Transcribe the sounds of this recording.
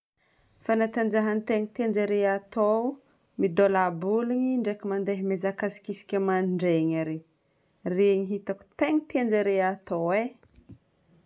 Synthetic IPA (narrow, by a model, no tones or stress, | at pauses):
fanat̪and͡ʒaɦanit̪eŋit̪end͡ʒaɾeat̪o | mid̪olabuliɲiɳɖ͡ʐekʲimand̪eɦimezakasi̥kʲisi̥kʲamaniɳɖ͡ʐeɲaɾe | reɲiɦit̪aku̥t̪eŋit̪end͡ʒaɾeat̪oe